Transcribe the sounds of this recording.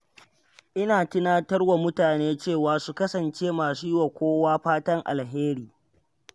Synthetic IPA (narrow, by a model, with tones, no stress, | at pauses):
ʔɪ˦naː˨tɪ˦naː˦tɐ˦rwa˨mʊ˦taː˨neː˦t͡ʃeː˦˨waː˨su˨kɐ˦sɐ˨nt͡ʃeː˦maː˨siː˦wa˨kʷoː˦waː˦ɸaː˦tɐ˦ŋʔa̰˨lɦeː˦ɾiː˦